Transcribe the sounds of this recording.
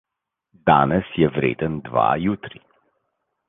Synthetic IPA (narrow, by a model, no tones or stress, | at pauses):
d̪a̰ːnɛsjɛvɾḛːd̪ənd̪ʋa̰jut̪ɾi